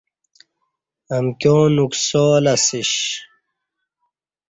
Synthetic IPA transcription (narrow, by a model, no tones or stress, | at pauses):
ɐmkjoːnuksoːlɐsiɕ